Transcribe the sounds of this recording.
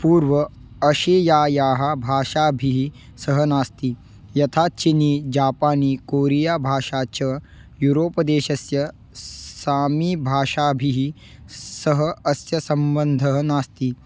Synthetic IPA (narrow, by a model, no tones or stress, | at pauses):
puːɾʋɐ | ɐɕeːjaːjaːɦabʱaːʂaːbʱiɦi | səɦənaːst̪i | jɐt̪ʰaːt͡ʃiniːd͡ʒaːpaːniːkoːɾijaːbʱaːʂaːt͡ʃɐ | juːɾoːpɐd̪eːɕɐsjɐ | saːmiːbʱaːʂaːbʱiɦi | səɦəɐsjɐsɐmbənd̪ʱɐɦənaːst̪iː